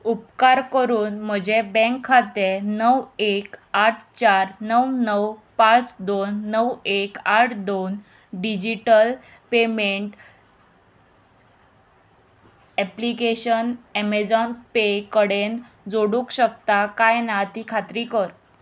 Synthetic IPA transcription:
upkaɾkəɾuːnm̤əd͡ʑebɛ̃ŋkʰːat̪enəwekaʈʰt͡ɕaɾnəwnəwpãt͡sd̪onːəwekaʈʰd̪on | ɖid͡ʑiʈəl | pemeɳʈ | ɛplikeɕənɛmed͡zɔnpekəɽen | d͡zoɽukɕək̚t̪akajnat̪ikʰat̪ɾikəɾ

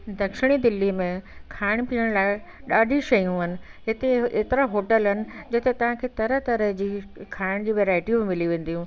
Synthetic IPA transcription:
d̪ɐkʃɪɽ̃id̪ɪlːimẽkʰaːɪɽ̃piːəɽ̃laːɪɗaːɖʱiʃɐjũɦɐnɪ̆ɦɪt̪eeːt̪ɪɾaɦoːʈəlɦɐnɪ̆d͡ʑɐt̪et̪ɐʋ̤ãkʰeːt̪ɐɾət̪ɐɾəɦd͡ʑiːkʰaːɪɽ̃d͡ʑiːʋeːɾaːɪʈimɪmɪliʋẽːn̆d̪iɦũ

